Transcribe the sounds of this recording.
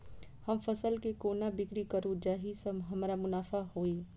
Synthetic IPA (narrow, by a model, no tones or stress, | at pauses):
həmpʰəsəlkekoːnabɪkɾikəɾũd͡ʒaːɦisəmɦəmɾamʊnaːfʰaɦoːi